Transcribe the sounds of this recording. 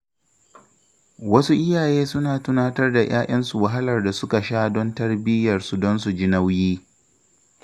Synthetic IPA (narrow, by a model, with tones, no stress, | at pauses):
wɐ˦su˦ʔɪ˦jaː˨jeː˦sʊ˦naː˨tʊ˦naː˦tɐ˦rda˨j̰ʔaː˦ʔɐ˦nsu˨wa˨ɦa˦lɐ˨rda˨sʊ˦ka˨ʃaː˦dɔ˦ntɐ˦rbɪ˦jɐ˨rsu˨dɔ˦ns̬u˨d͡ʒɪ˦na˦wjiː˦